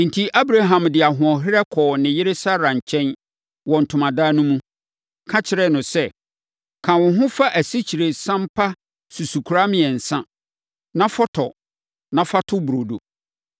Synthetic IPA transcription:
n̩˨tʰi˦ʔa˦bɾa˦ɦã˨mdɪ˨a˨ɦʊ̃˨ɔ˨ɦɪ˦ɾɛ˦kʰɔː˨nɪ̃˨jɪ˦ɾe˦sa˦ɾã˨ɲ˨t͡ɕʰɛ̃˦n | wɔ̃˨n̩˨tʰʊ̃˨mã˨daː˦nũ˦mũ˦ | kʰã˦t͡ɕʰɪ˨ɾɛ˦nʊ̃˨sɛ˦ | kʰã˨wʊ̃˨ɦʊ̃˦fa˦ʔæ˨si˦t͡ɕʰi˨ɾe˨sã˦m̩˦pʰa˦ | su˨su˨kʰu˨ɾa˦mɪ̃˨ɛ˨n̩˨sã˦ | nã˦fɔ˦tʰɔ˨ | nã˦fa˦tʰʊ˦bu˨ɾo˨do̰˨

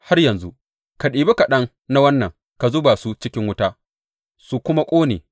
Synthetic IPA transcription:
ha˦rjɐ˨nzu˦ʔ | ka˨ɗiː˨be˦ka˨ɗɐ˦ŋ | na˦wɐ˦nːɐ˨ŋ | ka˨zoː˦baː˨su˦t͡ʃɪ˦kʲɪ˦ŋwʊ˦taː˦ | su˨kʷʊ˦ma˦kʷʼoː˦nḛː˨

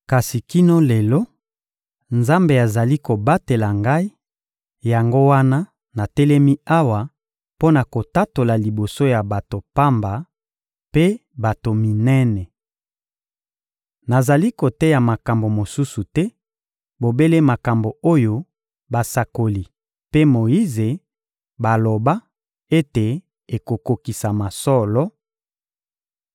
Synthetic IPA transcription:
ka˨si˨ki˦no˦lɛ˨lɔ˦ | nza˦mbe˨a˨za˨li˦ko˨ba˦te˨la˨ŋɡa˦i˦ | ja˨ŋɡo˦wa˦na˦ | na˨tɛ˦lɛ˦mi˦a˦wa˨ | po˦na˨ko˨ta˦to˨la˨li˨bo˨so˦ja˨ba˨to˨pa˦mba˨ | pe˦ba˨to˨mi˨nɛ˦nɛ˨ | na˨za˨li˦ko˨tɛ˦ja˨ma˨ka˨mbo˨mo˨su˦su˨tɛ˦ | bo˨be˦le˦ma˨ka˨mbo˨o˦jo˦ | ba˨sa˨ko˨li˨ | pe˦mo˨ji˦ze˨ | ba˨lo˨ba˦ | e˦te˨ | e˨ko˨ko˨ki˨sa˨ma˨sɔ˦lɔ˦

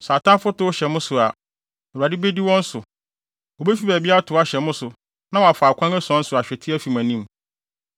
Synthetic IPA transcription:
sa˨tʰã˦fʊ˦tʊ˦ɕɛ˨mʊ̃˦sʊ˨a˨ | o˨a˨dɪ˦be˦di˦wɔ̃˦n̩˦sʊ˨ | wɔ˨be˦fi˦bæ˨bi˦a˦tʰʊ˨˦a˦ɕɛ˨mʊ̃˦sʊ˨ | nã˦wɔ˨a˨faː˨kʰã˦ŋɛ˦sɔ̃˦n̩˦sʊ˨a˨ɕᶣɛ˨tʰɪ˦æ˦fi˨mæ̃˨nĩ˦m

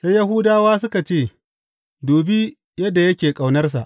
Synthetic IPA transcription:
sa˦jːɐ˦ɦu˦daː˦waː˦s̬ʊ˦ka˨t͡ʃeː˦˨ | doː˨bi˦ | jɐ˦dːa˨jɐ˦kʲeː˨kʼa˨wnɐ˦rs̬a˨ʔ

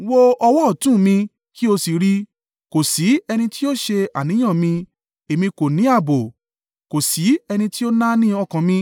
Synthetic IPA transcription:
wo˦ɔ˧wɔ˦ɔ˦˨tũ˦˨mĩ˧ | ki˦o˧si˨ɾi˦ | ko˨si˨˦ɛ˧nĩ˧ti˦o˦ʃe˧a̰˨nĩ˨˦ã˦˨mĩ˧ | e˨mĩ˧ko˨nĩ˨˦a˦˨bo˨ | ko˨si˨˦ɛ˧nĩ˧ti˦o˦nã˦nĩ˦ɔ˧kã˨mĩ˧

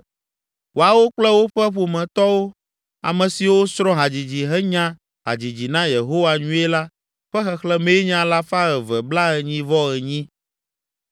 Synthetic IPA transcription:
wo˨a˨wo˦k͡plɛ˦wo˦ɸɛ˦ɸo˨mɛ̃˨t̪ɔ˦wo˦ | a̰˨mɛ̃˨si˨wo˦sɾɔ̃˦ɦa˨d͡ʑi˨d͡ʑi˨ɦɛ˦ɲã˦ | ɦa̰˨d͡ʑi˨d͡ʑi˨nã˦je˨ɦo˦wa˨ɲũ˦e˦la˦ | ɸɛ˦xɛ˨xlɛ˦me˦ɲã˨la˦fa˦ɛ˨vɛ˨bla˦ɣɛ˨ɲĩ˦vɔ˦ɣɛ˨ɲĩ˦

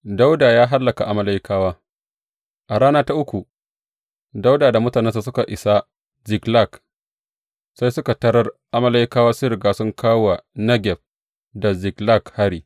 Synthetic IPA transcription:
da˦wdaː˨jaː˦ɦa˦lːɐ˨ka˨ʔa˨ma˦la˦jkʰaː˦waː˦ | ʔa˨ɽaː˦naː˦ta˦ʔʊ˦kʷu˨ | da˦wdaː˨da˨mʊ˦taː˨nɛ˦nsa˨sʊ˦ka˨ʔɪ˨sa˦ | zɪ˨kla˦˨k | sa˦jsʊ˦ka˨tɐ˦ɽɐ˦rʔa˦ma˦la˦jkaː˦waː˦sʊ˦ɾɪ˨ɡaː˦sʊ˦ŋkʰaː˦wa˨nɐ˦ɡʲɛ˨ɸ̚ | da˨zɪ˨kla˦˨kha˦ɽiː˨

